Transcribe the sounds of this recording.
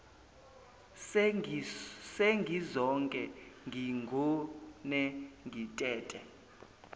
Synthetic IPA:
seŋɡʱizɔŋkʼɛŋʱiŋɡʱunɛŋɡʱitʼɛːtʼɛ

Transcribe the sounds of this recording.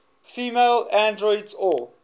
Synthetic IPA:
fiːmeɪlãndɹɔɪdzɔ

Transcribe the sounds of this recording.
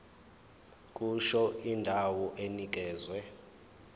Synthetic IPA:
kʼuʃɔindʱawɔʔenik̬ʼɛːzwɛ

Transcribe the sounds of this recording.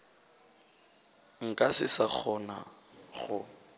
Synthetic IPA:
ŋ̩kʼasɪsak͡xʰɔna̰ | χʊ

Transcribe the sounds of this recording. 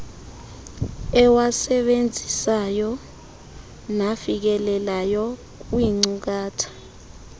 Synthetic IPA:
ɛwasɛɓend͡zʱisajɔ | nafik̬ɛlɛlajɔ | k̬wiŋ͡ǀuk̬aːtʰḁ

